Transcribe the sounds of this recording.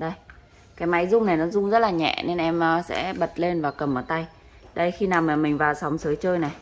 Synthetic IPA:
ɗə˧j | kaː˨˦jma˨˦jzʊ˧ŋ͡mna˨˩jnɔ˨˦zʊ˧ŋ͡mzə˦˥t̚laː˨˩ɲɛ̰˧˨ne˧nʔɛ˧mʔəː˨˧˩sɛ̰˧˥ɓə˨˩t̚le˧nvaː˨˩kə˨˩mʔəː˧˩t̪a˧j | ɗə˧jxi˧naː˨˩wməː˨˩mï˨˩ŋ̟vaː˨˩wsa˨˦wŋ͡msəː˨˦jt͡ɕəː˧jna˨˩j

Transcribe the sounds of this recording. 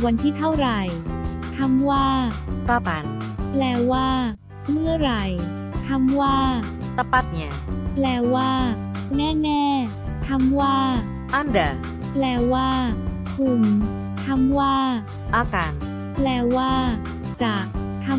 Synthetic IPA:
wa˧nt̪ʰiː˥˩t̪ʰa˥˩wɾa˨˩jt̪ʰa˧˥mwaː˥˩kaː˧˩ka˧˦n | plɛː˧waː˥˩ | mɯ˥˩əɾa˨˩j | t̪ʰa˧˥mwaː˥˩ | t̪a˧pa˦˧˩t̪̚ɲi˧˩ | plɛː˧waː˥˩ | nɛː˥˩nɛː˥˩ | t̪ʰa˧˥˩mwaː˥˩ | ʔa˧˥nda˨˩ | plɛː˧waː˥˩ | kʰu˧˩m | t̪ʰa˧˥˩mwaː˥˩ | ʔaː˧˩kaː˨˧n | plɛː˧waː˥˩ | t͡ɕaː˨˩k̚ | t̪ʰa˧˥

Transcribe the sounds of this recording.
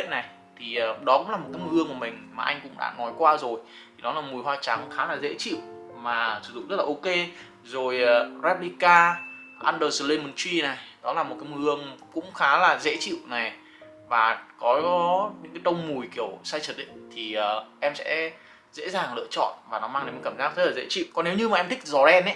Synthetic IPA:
ḭ˧˨əna˨˩j | t̪ʰi˨˩ə˨˩ɗɔ˨˦kʊ̰˧˥ŋ͡mla˨˩m˨t̚kaː˨˦jmɨ˧əŋku˧˩əmï˨˩ŋ̟maː˨˩ʔa˧ŋ̟kʊ̰˧˥ŋ͡mɗa̰ː˧˥nɔ˨˦jkwaː˧zo˨˩jt̪ʰi˨˩ɗɔ˨˦laː˨˩mu˨˩əjɦwaː˧t͡ɕa˨˦ŋxaː˨˦laː˨˩zḛ˧˥t͡ɕḭ˧˨w | maː˨˩sɨ̥˧˩zʊ̰˧˨ŋ͡mzə˦˥t̚laː˨ʔo˧ke˧ | zo˨˩jzɛ˦˥p̚li˧kaː˧ʔaː˧nɗəː˧˩sə˨˧˩le˧mə˨˩nt͡ɕwi˧na˨˩jɗɔ˨˦laː˨˩mo˨˩kaː˨˦jmɨ˧˨˩əŋkʊ̰˧˥ŋ͡mxaː˨˦laː˨˩zḛ˧˥t͡ɕḭ˧˨wna˨˩j | vaː˨˩kɔ˨˦ɲɨ̰˧˥ŋkaː˨˦jɗə˧wŋ͡mmu˨˩jki˧˩əwsaː˧jt͡ɕə˨˩t̚ɗḭ˧˨ŋt̪ʰi˨˩ʔəː˨˩ʔɛ˧msɛ̰˧˥ | zḛ˧˥zaː˨˩ŋlɨ̰˧ət͡ɕɔ̰˧˨nvaː˨˩nɔ˨˦maː˧ŋɗe˨˦mə˨˩kaː˧˩mzaː˦˥k̚zə˦˥tlːzḛ˧˥t͡ɕḭ˧˨wkɔ˧˦ne˨˦wɲɨ˧maː˨˩ʔɛ˧mt̪ʰï˥k̚zɔ˨˩ɛ˧nʔɛ˨˦

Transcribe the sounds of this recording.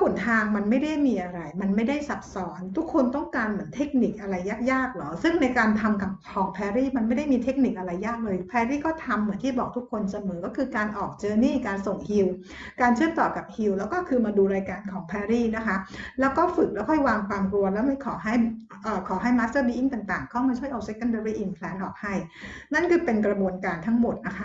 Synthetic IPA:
ku˨˩˦nt̪ʰaː˧ŋma˧nma˥˩jda˥˩jmiː˧ʔa˧ɾa˧jma˧nma˥˩jda˥˩jsa˨˩p̚sɔː˩˦nt̪ʰu˦˥kʰo˧nt̪ɔ˥˩ŋkaː˧nmɯ˩˦ənt̪ʰe˦˥k̚ni˨˩k̚ʔa˧ɾa˧jːaː˥˩k̚jaː˥˩k̚lɔː˨˦˥sɯ˥˩ŋna˧jkaː˧nt̪ʰa˧mka˨˩p̚kʰɔː˩˦ŋpʰɛː˧ɾiː˥˩ma˧nma˥˩jda˥˩jmiː˧t̪ʰe˦˥k̚ni˨˩k̚ʔa˧ɾa˧jːaː˥˩k̚lɤː˧jpʰɛː˧ɾiː˥˩kɔː˥˩t̪ʰa˧mːɯ˩˦ənt̪ʰiː˥˩bɔː˨˩k̚t̪ʰu˦˥kʰːo˧nsa˧mɤː˩˦kɔː˥˩ɯː˧kaː˧nʔɔː˨˩k̚t͡ɕɤː˧niː˥˩kaː˧nso˨˩ŋhi˧w | kaː˧nt͡ɕʰɯ˥˩t̪ɔː˨˩ka˨˩p̚hi˧wlɛː˦˥wkɔː˥˩kʰɯː˧maː˧duː˧ɾaː˧jkaː˧nkʰɔː˩˦ŋpʰɛː˧ɾiː˥˩na˦˥kʰa˦˥lɛː˦˥wkɔː˥˩fɯ˨˩k̚lɛː˦˥wkʰɔː˥˩jwaː˧ŋfaː˧ŋkɾu˧əlɛː˦˥wma˥˩jkʰɔː˩˦ɦa˥˩j | ʔəː˨˩kʰɔː˩˦ɦa˥˩jmaː˦˥st̪ɤː˥˩biː˧ʔi˥˩ŋt̪aː˨˩ŋt̪aː˨˩ŋkʰa˦˥˩maː˧˥t͡ɕʰu˥˩əjʔa˧wse˦˥kːa˥˩ndəː˧ɾiː˦˥˩ʔi˧˩npʰlɛː˦˥nʔɔː˨˩k̚ha˥˩jna˥˩nkʰɯː˧pe˧nkɾa˧bu˧ənkaː˧nt̪ʰa˦˥ŋmo˨˩t̪̚na˦˥kʰa˦˥

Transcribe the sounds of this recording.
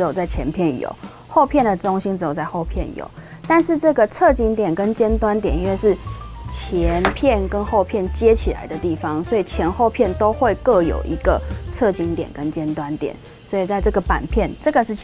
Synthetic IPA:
jo˨˩ʊt͡sa˥˩ɪt͡ɕʰjɛ˧˥npʰjɛ˥˩njo̰˨˩ʊ | xo˥˧ʊpʰjɛ˥˩nd̪ə˩ʈ͡ʂʊ˥ŋɕi˥nʈ͡ʂɻ̩˥jo˨˩ʊt͡sa˥˧ɪxo˥˧ʊpʰjɛ˥˩njo̰˨˩ʊ | t̪a˥˧nʂɻ̩˥˧ʈ͡ʂɤ˥˩ɡə˩t͡sʰɤ˥˩t͡ɕi˧˥ŋt̪jɛ˨˩nkə˦nt͡ɕjɛ˥nt̪wa˥nt̪̬jɛ˨˩ni˥nwe˥˧ɪʂɻ̩˥˩t͡ɕʰjɛ˧˦npʰjɛ˥˨nkə˦˥nxo˥˧ʊpʰjɛ˥˩nt͡ɕjɛ˦t͡ɕʰi˨˩la̰˧˦ɪd̪ə˧t̪i˥˩fɑ˦ŋswɔ˧˥i˨˩t͡ɕʰjɛ˧˥nxo˥˧ʊpʰjɛ˥˩nt̪o˥ʊxwe˥˧ɪkɤ˥˧˩jo̰˨˩ʊʔi˧˥ɡ̥ə˨t͡sʰɤ˥˧˩t͡ɕi˧˥ŋt̪jɛ̰˨˩nkə˦nt͡ɕjɛ˥nt̪wa˦nt̪jɛ̰˨˩˦n | swɔ˧˥i˨˩t͡sa˥˧ɪʈ͡ʂɤ˥˩ɡə˩pa̰˨˩npʰjɛ˥˩nʈ͡ʂɤ˥˩ɡə˩ʂɻ̩˥˩

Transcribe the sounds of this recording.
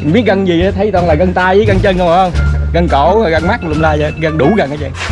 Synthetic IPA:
ɓi˦˥ət̚ɣə˧nzi˨˩ʔaː˨˦t̪ʰə˨˦t̪ɔ˧nlaː˨˩ɣə˧nt̪aː˧jʔi˧˨˦ɣə˧nt͡ɕəː˧nkə˧˩˨hə˧ŋ͡mɣə˧nko˧˩˦ɣə˧nma˦˥k̚llaː˧jzə˨˩ɣə˧nɗu˨˧˦ɣə˨˩nʔaː˨˦t͡ɕɛ̰˧˩

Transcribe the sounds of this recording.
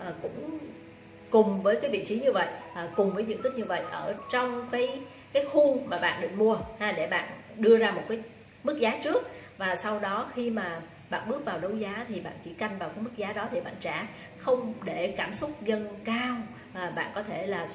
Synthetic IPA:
ʔːkʊ̰˧˥ŋ͡m | kʊ˨˩ŋ͡mvəː˨˦jkaː˨˦jvḭ˧˨t͡ɕi˨˦ɲɨ˧və̰˧˨jʔːkʊ˨˩ŋ͡mvəː˨˦jvḭ˧˨nt̪i˦˥k̚ɲɨ˧və̰˧˨jʔəː˧˩t͡ɕɔ˧wŋ͡mkaː˨˦j | kaː˨˦jxu˧maː˨˩ɓa̰ː˧˨nɗɨ˧˨k̚mu˧əhaː˧ɗe˧˩ɓa̰ː˧˨nɗɨ˧əzaː˧mo˨˩t̚kaː˨˦j | mɨ˦˥k̚zaː˨˦t͡ɕɨ˦˥ək̚vaː˨˩sa˧wɗɔ˨˦xi˧maː˨˩ | ɓa̰ː˧˨nɓɨ˦˥ək̚vaː˨˩wɗə˨˦wzaː˨˦t̪ʰi˨˩ɓa̰ː˧˨nt͡ɕḭ˧˩ka˧jŋ̟vaː˨˩wkaː˨˦jm˦˥k̚zaː˨˦ɗɔ˨˦t̪ʰi˨˩ɓa̰ː˧˨nt͡ɕaː˧˩ | xə˧wŋ͡mɗe˧˩kaː˧˩msʊ˦˥k͡p̚zə˧nkaː˧w | ʔːɓa̰ː˧˨nkɔ˨˦t̪ʰe˧˩laː˨˩

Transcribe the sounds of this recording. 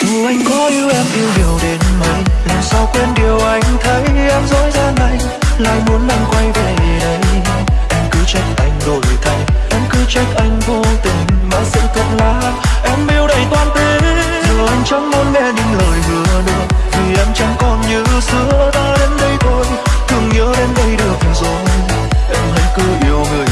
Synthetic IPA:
t̪ɨ˨˩ʔa˧jŋ̟kɔ˨˦ʔi˧əwʔɛ˧mʔi˧əwɲi˨˩əwɗe˨˦nmə˧˩jt̪ɨ˨˩ŋsɔ˧wkwe˧nɗi˨˩əwʔa˧˩jŋ̟t̪ʰə˨˦jʔɛ˧mzɔ˨˦jzaː˧na˧˩j | la̰ː˧˨jmu˨˦ənla˧˩ŋkwa˧jve˨˩˨ʔə˨˦j | ʔɛ˧m̟kɨ˨˦t͡ɕa˧˥jk̟̚ʔa˧jŋ̟ɗo˨˧zɨ̰˨˩t̪ʰə˨˩jʔɛ˧˩mkɨ˨˦t͡ɕa˧˦˥jk̟̚ʔa˧jŋ̟vo˧t̪ï˨˩ŋ̟maː˨˩sɨ̰˧˥t̪ʰə˨˩t̚laː˧˦ | ʔɛ˧˥mʔi˧əwɗə˨˩jt̪waː˧nt̪i˨˧˩n | zɔ˨˩ʔa˧jŋ̟t͡ɕɔ˨˦ŋ͡mmo˨˦nmɛ˧ɲɨ̰˧˥˦ŋləː˨˩jmɨ˨˩ə˨˧ɗɨ˧˩ək̚t̪ʰi˨˩ʔɛ˧˥mt͡ɕa˧˦ŋkɔ˨˩nɲɨ˧sɨ˧˦ət̪aː˧ɗe˨˦nɗə˧jt̪ʰo˧j | t̪ʰɨ˨˩əŋɲəː˨˦ɗe˨˧˦nɗə˧jɗɨ˨˩ək̚zɔ˨˦j | ʔɛ˧mhə˧˦jkɨ˨˧˦ʔi˧˩əwŋɨ˨˩j

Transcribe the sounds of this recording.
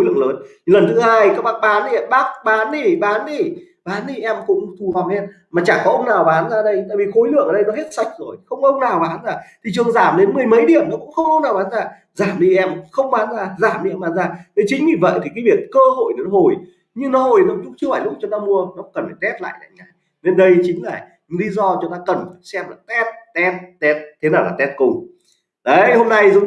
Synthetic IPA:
o˨˦jlɨ̰˧˨əŋləː˨˦n˨ | lə˨˩nt̪ʰɨ˨˦haː˧jkaː˦˥k̚ɓaː˦˥k̚ɓaː˨˦ni˧ɛ˧ɓaː˦˥k̚ɓaː˨˦nɗi˧˩ɓaː˨˦nɗi˧˩ | ɓaː˨˦nɗi˧˩ʔɛ˧mkʊ̰˧˥ŋ͡mt̪ʰu˨˩va˨˩ŋ͡mʔɛ˧m | maː˨˩t͡ɕaː˧˩kɔ˨˦ʔə˧wŋ͡mnaː˨˩wɓaː˨˦nzaː˧ɗə˧jt̪a̰ː˧˨vi˨˩xo˨˦jlɨ̰˧˨əŋʔəː˨˩ɗə˧jnɔ˨˦ɦe˦˥t̚sa˧˥jk̟̚zo˨˩jxə˧wŋ͡mʔə˧wŋ͡mnaː˨˩wɓaː˨˦nzaː˧˩t̪ʰi˨˩t͡ɕɨ˨˩əŋzaː˧˩mɗe˨˦nmɨ˨˩əjmə˨˦jɗḭ˨˩əmnɔ˨˦kʊ̰˧˥ŋ͡mxə˧wŋ͡mʔə˧wŋ͡mnaː˨˩wɓaː˨˦nzaː˧˩ | zaː˧˩mɗi˧ʔɛ˧mxə˧wŋ͡mɓaː˨˦nzaː˧˩zaː˧˩mɗḭ˧˨˧mɓaː˨˦nzaː˧˩ne˨˦t͡ɕï˨˦ŋ̟vi˨˩və̰˧˨jt̪ʰi˨˩kaː˨˦jvi˨˩ət̚kəː˧ho̰˧˨jne˨n˦ɦo˨˩j | ɲɨ˧ŋnɔ˨˦ho˨˩jnɔ˨˦kʊ̰˧˥ŋ͡mt͡ɕɨ˧əvaː˨˩jlʊ˦˥k͡p̚t͡ɕɔ˧t̪aː˧mu˧ənɔ˨˦kə˨˩nfaː˧˩t̪ɛ˦˥t̚la̰ː˧˨jla̰˧˨jŋa˨˩j | ne˧nɗə˧jt͡ɕï˨˦ŋ̟laː˨˩ | ɲ˧ŋli˨˧˦zɔ˧t͡ɕɔ˧˦t̪aː˧kə˨˩nfaː˨˩jsɛ˧mlaː˨˩t̪ɛ˦˥t̚t̪ɛ˦˥t̚t̪ɛ˦˥t̚t̪ʰe˨˦naː˨˩wlaː˨˩t̪ɛ˦˥t̚kʊ˧˩ŋ͡m | ʔə˨˦ho˧mna˧jzʊ˨˦

